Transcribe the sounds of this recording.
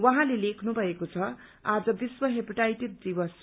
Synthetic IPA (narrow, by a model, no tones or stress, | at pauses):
wʌɦãlelekʰnubʱʌekot͡sʰʌad͡zʌbiswʌɦepiʈajʈed̚d͡zibʌs